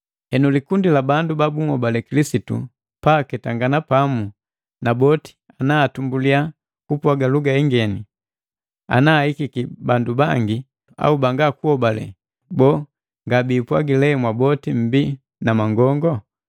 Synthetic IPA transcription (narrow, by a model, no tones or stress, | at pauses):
hɛnulikundilabandubabuŋ̩hɔbalɛkilisitṵ | pakɛtaŋɡanapamu | nabɔti̥ | anaːtumbulia | kupwaɡaluɡaɛŋɡɛni | a̰naːhikikibandubaŋɡi | a̰ubaŋɡakuhɔbalɛ̰ | bɔ | ŋɡabiːpwaɡilɛmwabɔtim̩bi | namaŋɡɔŋɡɔ